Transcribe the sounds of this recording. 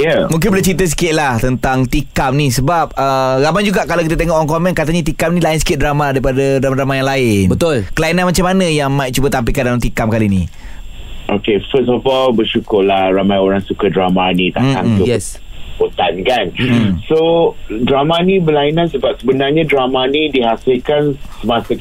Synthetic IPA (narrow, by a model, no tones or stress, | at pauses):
jamũŋk̬ɪnbəlat͡ʃit̪əs̬i̥kɪʔ̪̚laht̪ənt̪aŋt̪ikamnisəbap̚əɾamajd͡ʒuɡaʔkalawk̬it̪ət̪eŋɔʔɔŋkɔmɛ̃nkat̪aɲat̪ikamnĩlaɪnsə̥kɪt̪̚dɾamadaɾipadadamaɾamajaŋlaɪnbət̪ʊlkəlainanmat͡ʃamːanajaŋmaiʔ̚t͡ʃubət̪amp̬ikandalamt̪ikamkalini | ʔokefəsɔfɔlbəʃukʊlahramajoɾaŋsukadɾamanit̪a̰ʔkaŋsi | bot̪ankansodɾamanibəlainãnsəbap̚səbənarɲadɾamanidiɦasɪlkansəmasə